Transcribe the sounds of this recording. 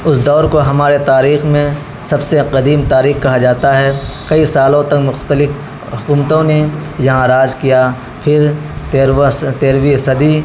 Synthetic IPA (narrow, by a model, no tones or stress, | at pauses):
ʊsd̪ɔːɾkoɦɐmaːɾet̪aːɾiːxmẽ | sɐbseqɐd̪iːmt̪aːɾiːxkɐɦad͡ʒaːt̪aɦɛkɐisaːlõt̪ɐkmʊxt̪əlɪf | kʊːmt̪õnejɐɦãɾaːd͡ʒkija | pʰɪɾ | t̪eːɾwisɐd̪i